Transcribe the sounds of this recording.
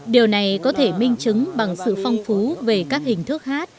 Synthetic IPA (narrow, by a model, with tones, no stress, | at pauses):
ɗi˨˩əwna˨˩jkɔ˨˦t̪ʰe˧˩mï˧ŋ̟t͡ɕɨ˨˦ŋɓa˨˩ŋsɨ̰˧˨fa˧wŋ͡mfu˨˦ve˨˩kaː˦˥k̚hï˨˩ŋ̟t̪ʰɨ˦˥ək̚haː˦˥t̚